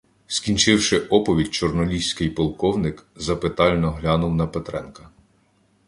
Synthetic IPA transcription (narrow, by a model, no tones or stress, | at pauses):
skʲint͡ʃɪwʃɪʔɔpɔʋʲid̚ʲt͡ʃɔrnɔlʲisʲkɪjpɔlˠkɔwnɪkzɐpɪt̪ɑlʲnɔɦlʲɑnʊwnɐpet̪ɾɛnkɐ